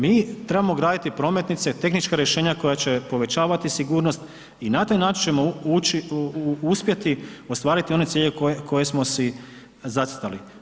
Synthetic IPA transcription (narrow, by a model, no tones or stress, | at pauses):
miːt̪ɾe̞bamoɡɾaːd̪it̪ipɾo̞me̞t̪nit̪set̪e̞xnit͡ʃkaɾje̞ʃe̞ːɲakojat͡ɕe̞po̞ʋe̞t͡ɕaːʋat̪isiɡuːɾno̞st̪ | inat̪aːjnaːt͡ʃint͡ʃe̞mout͡ʃiuspjet̪io̞st̪ʋaːɾit̪io̞ne̞t̪siːʎekoekʰo̞je̞smo̞si | zatsi̥t̪ali